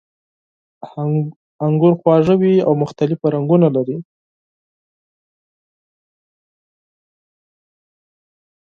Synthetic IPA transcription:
aŋɡʊɾxwɑʐawia̰wmʊxt̪alɪfaɾaŋɡunalaɾi

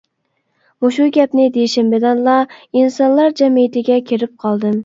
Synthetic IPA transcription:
muʃuɡʲɛpnɪd̪eʃɪmbɪd̪ɑnlˠɑinsɑnlˠɑɾd͡ʒɛmijit̪ʰɪɡʲɛkʲʰeɾɪp̚qʰɑlˠd̪ɨm

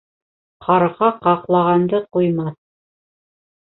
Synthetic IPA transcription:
qʰɑɾʁɑqɑqlˠɑʁɑnd̪ɤqujmɑθ

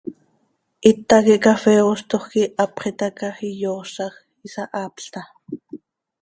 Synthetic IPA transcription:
ʔit̪ːɑkiʔkafɛːost̪oχkiʔɑpχit̪ɑkɑxijoːsɑx | isɑʔɑːpɬt̪ɑ

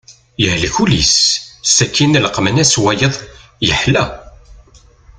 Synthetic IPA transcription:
jəhlçulissːækːinləqːmənæswæjəðˤjəħlæ

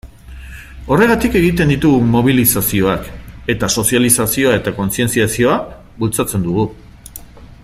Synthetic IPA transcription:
o̞re̞ɣat̪ike̞ɣ̞it̪e̞nd̪it̪uɣumo̞β̞ilisasio̞ake̞t̪aso̞sjalisasio̞ae̞t̪ako̞nsie̞nt͡siasio̞a | βult͡sat͡se̞nd̪uɣ̞u

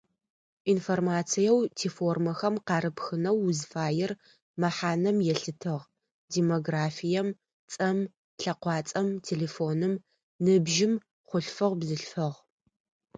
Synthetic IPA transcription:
informaːt͡sʰijɛwtʰiːfoːrmɐxɐmqɑːɾɨpxɨnɐwzfaːjɪr | mɐħaːnɐmjɛɬɨtʰɨʁ | deːmoɡraːfijɛm | t͡sʼɐm | ɬɐqʷɑːt͡sʼɐmtʰeːleːfoːnɨm | nɨbʒɪm | χʷʊɬfɨʁbzɨɬfɐʁ

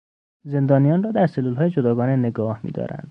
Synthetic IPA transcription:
ze̞nd̪ɒːnijɒːnrɒːd̪æɾselːuːlɦɒːjed͡ʒod̪ɒːɡɒːnene̞ɡɒːhmḭːd̪ɒ̰ːɾæ̰nd̪̥

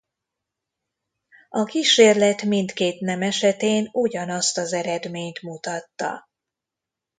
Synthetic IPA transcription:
ɒkiʃeːrlɛt̪mint̪keːt̪nɛmɛʃɛt̪eːnuɟɒnɒst̪ɒzɛɾɛd̪meːɲt̪mut̪ɒt̪ːɒ̰

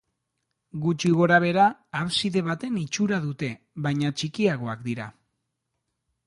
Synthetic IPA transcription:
ɡut͡ʃiɣ̞o̞ɾaβ̞e̞ɾaːβsiðe̞βat̪e̞nit͡ʃuɾaðut̪e̞ | βajɲat͡ʃikiaɣo̞akd̪iɾa̰

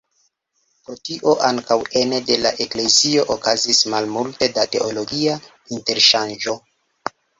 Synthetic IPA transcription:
pɾo̞tiʔo̞ʔaŋkawe̞nede̞laʔe̞kle̞zio̞ʔokazismalmulte̞date̞olo̞ɡia | inte̞ɾʃand͡ʒo̞

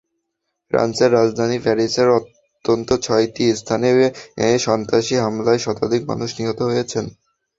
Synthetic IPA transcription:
fɾa̰nseɾːad͡ʑd̪ʱanifɛɾiseɾot̪ː | ont̪ot͡ɕʰɔjʈist̪ʰaneeʃɔnt̪aʃiɦamlaeʃɔt̪ad̪ʱikma̰nuʃniɦot̪oɦojet͡ɕʰen

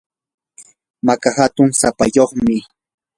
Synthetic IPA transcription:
makahat̪ʊŋsapa̰joχmɪ

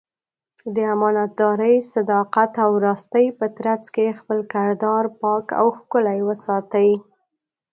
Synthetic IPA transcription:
d̪əamɑnat̪̚d̪ɑɾəjsad̪ɑqat̪awɾɑst̪əjpət̪ɾat͡skexpəlkɪɾd̪ɑɾpɑka̰wxkʊlajwəsɑt̪awi

